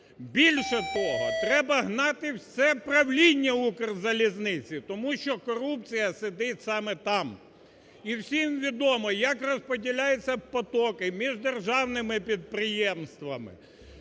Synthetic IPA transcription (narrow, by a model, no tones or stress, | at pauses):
bʲilʲʃɛt̪ɔɦɔ̰t̪ɾɛbɐɦnɑt̪ɪwsɛpɾɐwlʲinʲːɛukrzɐlʲiznɪt͡sʲit̪ɔmuʃt͡ʃɔkɔɾup̚t͡sʲijɐsɪd̪ɪtʲsɑmɛt̪ɑm | iwsʲimʋʲid̪ɔmɔjɐkrɔspɔdʲilʲajɛt͡sʲːɐpɔt̪ɔkɪmʲiʒd̪erʒɑwnɪmɪpʲid̪̚pɾɪjɛmst̪ʋɐmɪ̰